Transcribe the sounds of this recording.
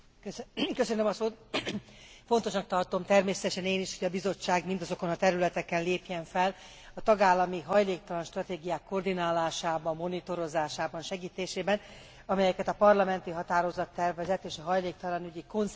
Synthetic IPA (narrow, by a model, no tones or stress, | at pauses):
kkøsønømɒsoːt̪̚ | fo̞nt̪o̞ʃnɒk̚t̪ɒrt̪o̞mt̪ɛrmeːsɛt̪ɛʃɛneːniʃho̞ɟɒbizo̞t͡ʃːaːɡmind̪ɒzo̞ko̞nɒt̪ɛɾylɛt̪ɛkɛnleːpjɛɱfɛl | ɒt̪ɒɡaːlːɒmiɦɒjleːk̚t̪ɒlɒnʃt̪rɒt̪eːɡijaːkːo̞rd̪inaːlaːʃaːbɒmːo̞nit̪o̞ɾo̞zaːʃaːbɒnʃɛɡiːt̪eːʃeːbɛn | ɒmɛjɛkɛt̪ɒpɒrlɒmɛnt̪iɦɒt̪aːɾo̞zɒt̪ːɛrvɛzɛt̪eːʃɒɦɒjleːk̚t̪ɒlɒnyɟiko̞n